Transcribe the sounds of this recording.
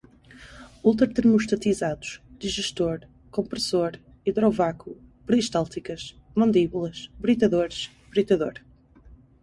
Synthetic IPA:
ulˠt̪ɾɐt̪ɨɾmuʃt̪ɐt̪izaðuʃd̪iʒɨʃt̪oɾ | kõmpɾɨsoɾ | iðɾɔvaku | pɾiʃt̪alˠt̪ikɐʃ | mɐ̃nd̪iβulˠɐʃbɾit̪ɐðoɾʃ | bɾit̪ɐðoɾ

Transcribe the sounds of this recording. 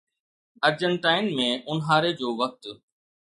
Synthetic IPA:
əɾd͡ʑəɳʈaːɪnmẽːʔʊnɦaːɾed͡ʑoːʋək̚t̪

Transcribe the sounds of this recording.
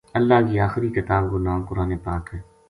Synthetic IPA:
ɐlːaːkiːaːxɪɾiːkɪt̪aːbɡʊnaːmkʊɾaːnepaːkɦɛː

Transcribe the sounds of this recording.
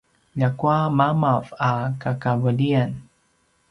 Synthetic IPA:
ʎakuamamavakakavəlian

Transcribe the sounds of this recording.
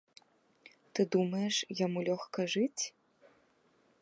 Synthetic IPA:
t̪ɨd̪umɐjɛʂjamulʲɔxkɐʐɨt͡sʲ

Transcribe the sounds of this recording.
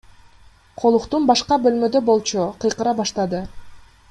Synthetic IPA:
qʰo̞lˠuqt̪unbɑʃqɑbø̞lmø̞d̪øbo̞lˠt͡ʃuqʰɯjqɯɾɑbɑʃt̪ɑd̪ɯ

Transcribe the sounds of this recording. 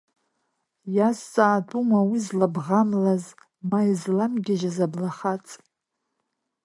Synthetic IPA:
jast͡sʼaːtʼumawizlabʁamlaz | maizlamɡʲɪʒazablaχat͡sʼ

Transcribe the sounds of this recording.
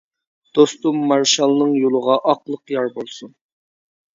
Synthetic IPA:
d̪̥ost̪umːɑɾʃɑlˠnɨŋjolˠəʁɑʔɑqlˠəqjɑɾbolˠsun

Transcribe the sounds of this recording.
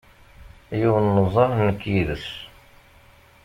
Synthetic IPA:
juwənːəzˤɑɾnəkːjiðəs

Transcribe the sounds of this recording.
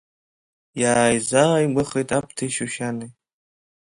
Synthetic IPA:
jaːjzaaimʷɨχejtʼap̚ʰtʰajʃuʃanɨ

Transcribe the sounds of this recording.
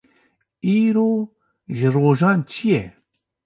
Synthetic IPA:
iːɾoː | ʒɨroːʒɑːnt͡ʃʰijɛ̰

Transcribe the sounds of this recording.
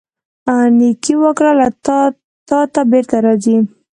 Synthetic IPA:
anikiwəkɽala | t̪ɑt̪abeɾt̪aɾɑzi

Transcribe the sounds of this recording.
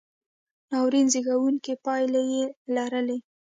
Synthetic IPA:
nɑwɾinziɡawuŋkipɑjlajelaɾəle

